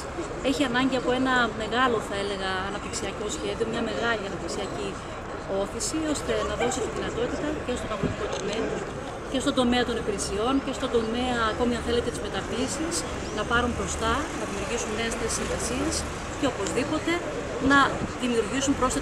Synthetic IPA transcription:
e̞çiɐnɐɲɟiɐpo̞e̞nɐme̞ɣɐlo̞θɐe̞le̞ɣɐːnɐpt̪iksiɐko̞sçe̞ðio̞mɲɐme̞ɣɐliɐnɐp̪̚t̪iksiɐci | o̞θisio̞st̪e̞nɐðo̞sit̪iðinɐt̪o̞t̪it̪ɐce̞st̪o̞nɐθot̪iko̞t̪o̞me̞ɐ | ce̞st̪o̞nd̪o̞me̞ɐt̪o̞nepiɾesio̞nce̞st̪o̞nd̪o̞me̞ɐːko̞miɐ̃nθe̞le̞t̪e̞t̪izme̞t̪ɐpisis | nɐpɐɾumbɾo̞st̪ɐnɐðimiuɾʝisunːe̞esθesiɱvɐsies | ceopo̞zðipo̞t̪e̞ | nɐðimiuɾʝisumbɾo̞se

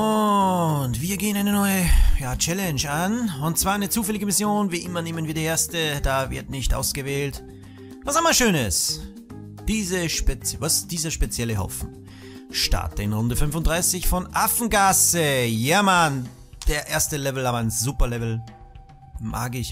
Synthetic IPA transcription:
ʔʊ | ntv̥iːɐɡeːənʔaɪnənɔʏəjaːt͡ʃɛlɛnʃanʊnt̚t͡sv̥aːɐaɪnət͡suːfɛlɪɡəmɪsjoːnviːʔɪmɐneːmənviːɐdiːɐʔeːɐstəd̥aːvɪ̰ɐtnɪçtʔa̰ʊsɡ̥əvɛːlt | vasɪmaʃøːnəs | d̥iːzəʃpet͡svasd̥iːzɐʃpet͡sjɛləɦɔ̰fn̩ | ʃta̰ɐtəɪnʁʊndəfʏnfʊntd̥ʁaɪsɪçfɔnʔafn̩ɡasəjɛɐman | d̥eːɐʔeːɐstəlɛvl̩aːbɐaɪnz̥uːpɐlɛvl̩ | mʔa̰ːɡɪç

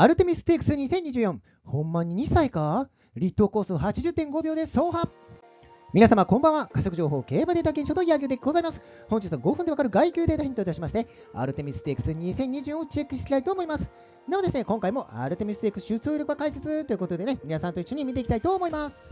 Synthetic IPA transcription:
aɾɯ̟t̪e̞mʲisɨ̥t̪e̞ːkɯ̟̥sɨɲ̟isẽ̞ɲ̟ːiʑɨːjõŋ | hõ̞mːaɲ̟iɲ̟isaika | ɾʲit̪ːo̞ko̞ːsɨhat͡ɕiʑɨt̪ːẽ̞ŋɡo̞bʲo̞ːd̪e̞so̞ːɦa | mʲinasamakõ̞mbãɰ̃akasokɯ̟ʑo̞ːɦo̞ːke̞ːbad̪e̞t̪aɡẽɕot̪ojaɡʲɯːd̪eɡ̥o̞zaimasɨ̥ | hoɲd͡ʑit͡sɨβaɡo̞ɸɯ̃nd̪eakaɾɯ̟ɡaikʲɨːd̪eːt̪açĩnt̪ooɕimaɕi̥t̪e̞ | a̰ɾɯ̟t̪e̞mʲisɨ̥t̪e̞ːkɯ̟̥sɨɲ̟isẽ̞ɲ̟ːiʑɨːjõot͡ɕe̞kːɯ̟ɕtekʲi̥t̪ait̪o̞ːmo̞imasɨ̥ | d̪emod̪e̞sɨne̞kõŋkaimo̞ʔa̰ɾɯ̟t̪e̞mʲisɨ̥t̪ekɯ̥ɕɨsɨːɾʲo̞kɯβakaise̞t͡sɨt̪o̞jɯ̟kot̪o̞d̪e̞ne̞mʲinasãnt̪oiɕːo̞ɲ̟imʲit̪eikʲit̪ai̥t̪o̞ːmo̞imasɨ̥

